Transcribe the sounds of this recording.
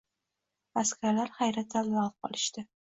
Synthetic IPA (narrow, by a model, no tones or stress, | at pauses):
askʲʰaɾlaɾχajɾat̪̚zalːafqʰɒ̰lˠɪʃt̪ɪ